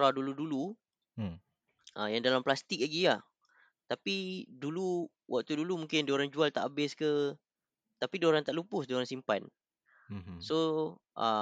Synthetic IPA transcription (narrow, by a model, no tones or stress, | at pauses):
ɾaduludulu | ʔəjaŋdalamplast̪ɪk̚laɡilah | t̪apidulu | wʔak̚t̪udulumũŋkɪndoɾaŋd͡ʒualt̪aʔabɪskə | t̪apidoɾant̪aʔlupʊsdioɾaŋsimpan | so | ʔə